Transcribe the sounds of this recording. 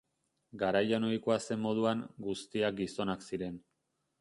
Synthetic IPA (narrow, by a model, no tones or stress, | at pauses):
ɡaɾajono̞iko̞ase̞mːo̞ð̞uaŋɡust̪iak̚ɡiso̞naksiɾe̞n